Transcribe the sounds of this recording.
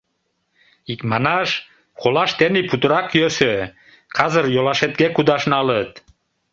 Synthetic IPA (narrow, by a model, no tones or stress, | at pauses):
ikmɑnɑʃ | kolɑʃt̪eniput̪əɾɑkjøsø | kʰɑzərjolɑʃet̪̚ɡekud̪ɑʃnɑlət̪̚